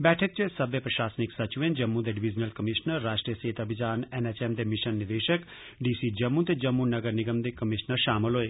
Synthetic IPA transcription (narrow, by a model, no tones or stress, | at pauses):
bɛːʈʰək̚t͡ʃesəbjəpɾəʃaːsnɪksət͡ʃʋẽːnd͡ʒəmːũd̪eːɖɪʋɪd͡ʒnəlkəmɪʃnəɾːaːʃʈɾijəseːt̪əbɪd̪aːnɛːnɛt͡ʃɛːmd̪eːmɪʃənːɪd̪eːʃək | ɖiːsiːd͡ʒəmːũːt̪eːd͡ʒəmːunəɡəɾnɪɡəmd̪eːkəmɪʃnəɾʃaːmɪlɦoːeː